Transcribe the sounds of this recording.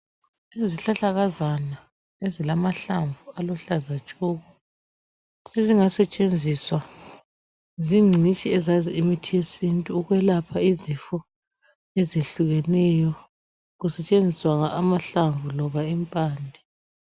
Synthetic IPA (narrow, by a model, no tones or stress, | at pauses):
iziɬaɬaɣazana | ezilamaɬaɱvualɔɬazat͡ʃʼuːɣɔ | eziŋasɛt͡ʃʼend͡zʱiswa | ziŋ͡ǀʱit͡ʃʼiɛzaziimitʰijesintʼuːɣwɛlapʰaizifɔ | ɛzeɬuɣɛnɛjɔ | ɣusɛt͡ʃʼend͡zʱiswaŋaʔːmaɬaɱvulɔβaimpʼaːndʱɛ